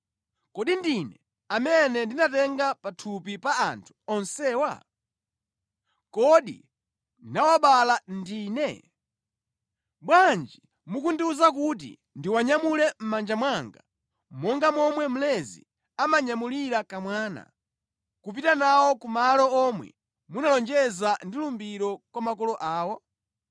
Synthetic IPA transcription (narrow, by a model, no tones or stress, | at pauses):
kɔɗindinɛ | amɛnɛndinatɛŋɡapatʰupipaa̰ntʰu̥ɔnsɛːwa̰ | kɔɗḭ | nawaɓalandiːnɛ | ɓwand͡ʒi | mukundiuzak̬ut̬ḭ | ndiwaɲamulɛm̩mand͡ʒamwaŋɡa | mɔŋɡamɔmwɛm̩lɛzḭ | amaɲamuliɾakamwaːna̰ | kup̬itanawɔkumalɔɔmwɛ̰ | munalɔnd͡ʒɛzandilumbiɾɔkwamakɔlɔʔaːwɔ